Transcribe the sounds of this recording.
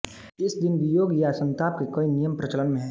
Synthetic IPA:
ɪsd̪ɪnbijoːɡjasɐ̃nt̪aːp̚kekɐinijəmpɾɐt͡ʃələnmẽɦɛ̃

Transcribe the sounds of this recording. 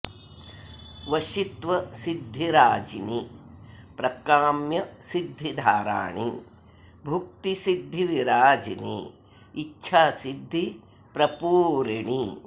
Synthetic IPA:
ʋɐʃit̪ʋɐsid̪ʱːiɾaːd͡ʒini | pɾɐkaːmjɐsid̪ʱːid̪ʱaːɾa̰ːɳḭ | bʱuk̚t̪isid̪ʱːiʋiɾaːd͡ʒinḭː | tːʃʰaːsid̪ʱːi | pɾɐpuːɾɐɳi

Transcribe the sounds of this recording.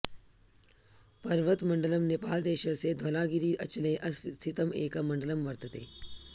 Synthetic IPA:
pɐɾʋət̪mɐ̃ɳɖələmnepaːld̪eːʃəsed̪ʱɐlaːɡɪɾiːɐt͡ʃlẽʔɐst̪ʰɪt̪əmeːkɐmɐ̃ɳɖələmʋɐɾt̪ət̪ḛː

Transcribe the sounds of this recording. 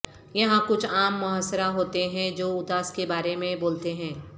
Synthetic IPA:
jɐɦãkʊt͡ʃʰaːmːʊɦəsɾaɦoːt̪eɦɛ̃d͡ʒoːʊd̪aːskebaːɾemẽboːlt̪eɦɛ̃ː

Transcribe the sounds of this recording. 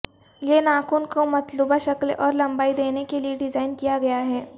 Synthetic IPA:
jenaːkʊnkomɐt̪luːbaʃɐklɔːɾlɐ̃mbaːid̪eːnekelieɖɪzaːɪnkijaɡɐjaɦɛː

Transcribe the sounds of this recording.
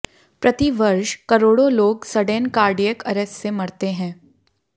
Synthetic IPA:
pɾɐt̪iʋɐɾʃkɐɾoːɽõloːɡsɐɖeːnkaːɾɖijəkɐɾɛssemɐɽt̪eɦɛ̃ː

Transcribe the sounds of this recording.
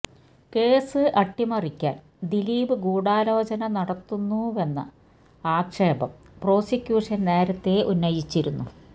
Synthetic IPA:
ke̞ːsɨʔɐʈːimɐrikʲːa̰ːn | d̪iliːbɨɡuːɽaːloːd͡ʑɐnɐnɐɽɐt̪ːunːuʋe̞nːɐ̰ | aːkʂeːbɐ̰m | pro̞ːsikʲjuːʂɐnne̞ːɾɐt̪ːe̞ʔunːɐjit͡ɕːiɾunːu

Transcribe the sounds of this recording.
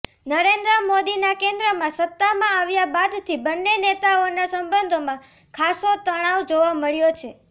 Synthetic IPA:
nəɾend̪ɾəmod̪inakẽnd̪ɾəmãsət̪ːamãːʋjabad̪t̪ʰibənːenet̪aonasəmbənd̪ʱomã | kʰasot̪əɽ̃aʋd͡ʒoʋaməɭjot͡ʃʰe

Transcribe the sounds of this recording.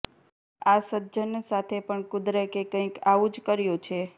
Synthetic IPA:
asədd͡ʒənsat̪ʰepəɳkʊd̪ɾekekə̃ĩkaʋũd͡ʒkəɾjõt͡ʃʰe

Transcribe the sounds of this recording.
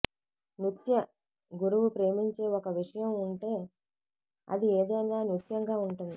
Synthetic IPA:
nut̪jɐ | ɡuɾuʋupɾe̞ːmiɲt͡ʃe̞ːɔkɐʋiʂɐjɐmuɳʈe̞ː | ɐ̰d̪ieːd̪ɐjnaːnut̪jɐŋɡaːuɳʈund̪i

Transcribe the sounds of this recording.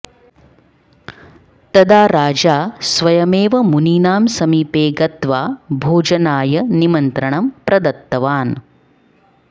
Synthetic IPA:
t̪ɐd̪aːɾaːd͡ʒaːsʋɐjɐmeːʋɐmuniːnaːmsɐmiːpeːɡɐt̪ʋaːbʱoːd͡ʒɐnaːjɐnimɐnt̪ɾɐɳɐmpɾɐd̪ɐt̪ːɐʋaːn

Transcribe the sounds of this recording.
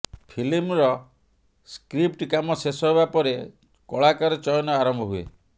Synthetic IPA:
pʰilimɾɔ | skɾipʈkamɔsesɔɦebapɔɾe | kɔɭakɔɾɔt͡ʃɔjɔnɔaɾɔmbʱɔɦuḛ

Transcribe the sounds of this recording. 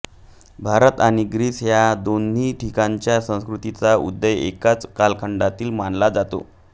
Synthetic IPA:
bʱaɾət̪aniɡɾiːsjad̪onːiːʈʰikaɲt͡ɕjasə̃w̃skɾut̪it͡saṵd̪ːəjḛkat͡skalkʰəɳɖat̪iːlmanlad͡zat̪o̰

